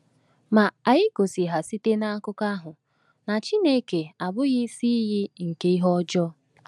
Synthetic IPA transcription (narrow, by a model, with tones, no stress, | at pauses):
ma˨a˨ɣɪ˦ko˨si˨ɦa˨si˦te˦na˦a˦kʊ˦ka˦ɦʊ˨ | na˨t͡ʃi˦ne˦ke˨a˨bʊ˦ɣɪ˦si˦ɣɪ˦ŋ̩˨ke˦i˦ɦɔ˦d͡ʒɔ˦